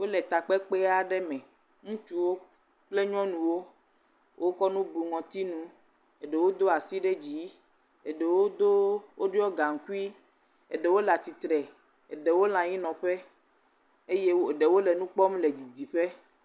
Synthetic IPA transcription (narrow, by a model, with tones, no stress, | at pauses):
wo˦lɛ˨t̪a˨k͡pɛ˦k͡pe˦a˨ɖɛ˦mɛ̃˨ | ŋũ˦t͡ʃu˦wo˦ | k͡ple˦ɲɔ̃˦nũ˨wo˦ | wʔo˦kɔ˦nũ˦bu˨ŋɔ̃˨t̪i˦nũ˦ | e˨ɖe˨wo˦d̪o˦a˨si˦ɖɛ˦d͡ʑi˨˦ | e˨ɖe˨wo˦d̪o˦wo˦ɖɔ˦ɡa˨ŋ̩˨ku˦i˦ | ḛ˨ɖe˨wo˦la˨t̪i˨t̪ɾɛ˨ | e˨ɖe˨wo˦l̃ã˨ji˦nɔ̃˨ɸɛ˦ | e˦je˦o˨ɖe˨wo˦lɛ˨nũ˦k͡pɔ˦m˦le˨d͡ʑi˨d̪i˨ɸe˦